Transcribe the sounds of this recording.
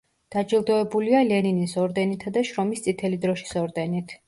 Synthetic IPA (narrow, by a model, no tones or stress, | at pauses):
d̪̥ad͡ʒilˠd̪ɔɛbulialɛninisɔɾd̪ɛnit̪ʰad̪aʃɾɔmist̪sʼit̪ʰɛlid̪ɾɔʃi̥sɔɾd̪ɛnit̪ʰ